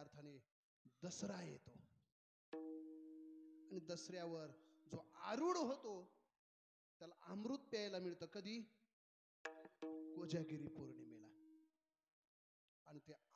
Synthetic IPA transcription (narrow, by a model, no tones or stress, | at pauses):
aɾt̪ʰane | d̪əsɾajḛt̪o | añid̪əsɾjaʋəɾd͡zoaɾuːɽɦot̪o | t̪jalaʔamɾuːt̪̚pɛajlamiɭt̪əːkəd̪ʱiː | kod͡ʑjaɡiɾiːpoɾɳimela | ɽ̃it̪e